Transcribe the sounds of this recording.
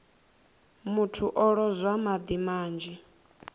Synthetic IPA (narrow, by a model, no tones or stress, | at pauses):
mutʰuʔɔɺɔzʷamad̪imaːnd͡ʒi